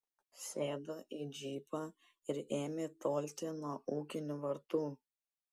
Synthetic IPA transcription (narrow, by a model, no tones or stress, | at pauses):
sʲeːd̪ɐʔiːd͡ʒʲiːpʰaː | ɪɾeːmʲet̪oːlʲt̪ʲenuɔɔʔuːkʲɪnʲʊʋɐɾt̪uː